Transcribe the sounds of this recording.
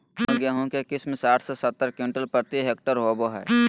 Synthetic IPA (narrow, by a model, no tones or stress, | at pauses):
ə̃ɡjaɦõkekɪsmẽsaːʈʰsɔsət̪ːəɾkẽɳʈəlpəɾt̪iɦeːk̚ʈəɾɦoboɦɛ̰ː